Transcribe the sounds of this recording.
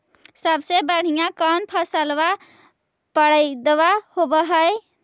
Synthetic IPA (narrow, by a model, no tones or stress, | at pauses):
səbsebəɽ̤ijãkənpʰəsəlʋa | pəɽəɪd̪ewahobəɦəj